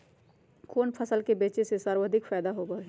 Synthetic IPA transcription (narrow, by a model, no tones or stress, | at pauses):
koːnpʰəsəlkebeːt͡ʃesesaɾwəd̪ʱɪkfɛːd̪aɦobəɾɦ